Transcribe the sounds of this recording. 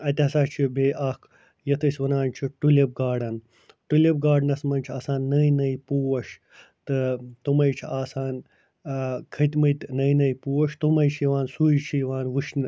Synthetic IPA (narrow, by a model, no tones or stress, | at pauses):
ɐt̪ʲɐsaːt͡ʃʰibeːʔaːk | jɐt̪ʰɐsʲʋɐnaːnʲt͡ʃʰiʈuleb̚ɡaːɖɐn | ʈuleb̚ɡaːɖnɐsmɐnt͡ʃʰaːsaːnːɐjnɐjpuːwɐʃ | t̪ɨt̪umɐjt͡ʃʰiaːsaːn | kʰɐt̪ʲmɐt̪ʲnɐjnɐjpuːwɐʃt̪umɐjt͡ʃʰijʋaːnsuːjt͡ʃʰijʋaːnʋɨʃn